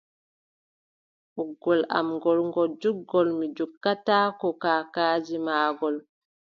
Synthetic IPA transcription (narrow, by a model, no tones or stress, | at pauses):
ʔuɡːɔlʔa̰mŋɡɔlŋɡɔd͡ʒuɡːɔlmid͡ʒukːataːkɔkaːkaːd͡ʒimaːɡɔl